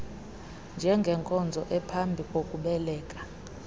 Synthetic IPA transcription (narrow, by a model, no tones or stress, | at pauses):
nd͡ʒʱɛŋɡʱɛŋkʼɔnd͡zʱɔʔɛpʰambʱikʼokʼuɓɛlɛːkʼḁ